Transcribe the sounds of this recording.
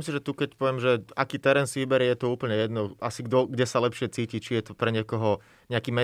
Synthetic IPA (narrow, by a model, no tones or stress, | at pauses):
imsiʒɛt̪ukɛcpɔʋɛmʒɛakiːt̪ɛɾɛːnsiʋibɛɾjɛjɛt̪ɔuːpl̩ɲɛjɛd̪nɔasiɡd̪ɔɡɟɛsalɛpʃɪɛt͡siːcit͡ʃijɛt̪ɔpɾɛɲɛkɔɦɔ | ɲɛakiːmɛ